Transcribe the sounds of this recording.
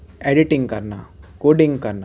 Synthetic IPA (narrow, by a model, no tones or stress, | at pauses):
eɖiʈiŋɡkɐɾna̰koːɖiŋɡkɐɾna